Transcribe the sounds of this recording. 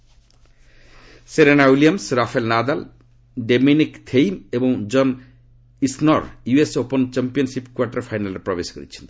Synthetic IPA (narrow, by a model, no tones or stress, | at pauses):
seɾenaulijamsɾafʰaelnad̪al | ɖeminikt̪ʰejmeboŋd͡ʑɔn | isnɔɾjuesopont͡ɕempijonsipkuaɾʈaɾfʰajnalɾepɾɔbeskoɾḭt͡ɕʰe̥nt̪